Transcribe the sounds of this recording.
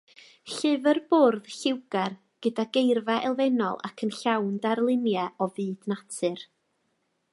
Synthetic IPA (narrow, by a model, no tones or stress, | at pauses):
ɬɨvərborðɬɪwɡ̥ɛr | ɡ̥ədaɡejrvɛʔɛlˠvɛnɔ̰lˠa̰kʰənɬawndarlˠɪnjɛɔvɨːdnatʰɨr